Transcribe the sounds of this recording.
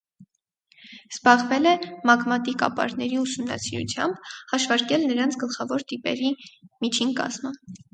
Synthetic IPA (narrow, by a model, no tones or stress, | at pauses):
z̥bɑʁvɛlɛmɑkʰmɑt̪ikɑ̰pɑ̰ɾnɛɾiusumnɑ̰siɾṵt͡sʰjɑmb̥hɑʃvɑɾkɛlnəɾɑnt͡sʰɡəlχɑvɔɾt̪ipɛ̰ɾimit͡ʃʰinkɑ̰z̥mə